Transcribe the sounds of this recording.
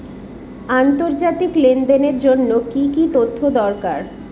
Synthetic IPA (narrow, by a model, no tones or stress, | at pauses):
ant̪oɾd͡ʑat̪iklend̪eneɾd͡ʑonːokikit̪ot̪ʰːod̪ɔɾkaɾ